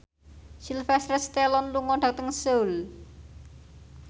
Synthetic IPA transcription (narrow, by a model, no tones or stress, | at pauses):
silfɛsɾəst̪ɛlɔnluŋɔɖ̥a̤k̚t̪əŋseul